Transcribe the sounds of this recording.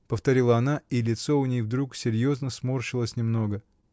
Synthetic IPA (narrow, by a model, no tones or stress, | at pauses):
pəft̪ɐɾʲilˠəɐnailʲɪt̪so̞ʊnʲejvd̪ɾuksʲɪɾʲjo̞znəsmorɕɪlˠəsʲnʲɪmno̞ɡə